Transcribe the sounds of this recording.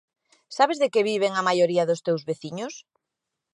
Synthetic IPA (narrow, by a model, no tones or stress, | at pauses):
saβezðekɪβiβ̞eŋamajoɾiɐðʊst̪ewzβeθiɲʊs